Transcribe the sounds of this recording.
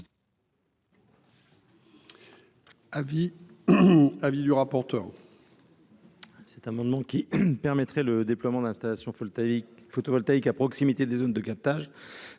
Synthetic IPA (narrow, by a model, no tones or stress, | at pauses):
avi | avid̪yʁapɔʁt̪œʁ | sɛt̪amɑ̃d̪mɑ̃kʲipɛʁmɛt̪χɛləd̪eplwamɑ̃d̪ɛ̃st̪alasjɔ̃ | fot̪ovɔlt̪aikapχɔksimit̪ed̪ezond̪əkap̚t̪aʒ